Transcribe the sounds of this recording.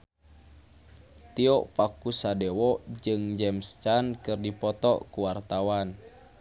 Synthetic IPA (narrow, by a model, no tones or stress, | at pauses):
t̪iɔʔpakusadɛwɔd͡ʒɨŋd͡ʒɛmst͡ʃankɨrdipɔt̪ɔʔkuwart̪awan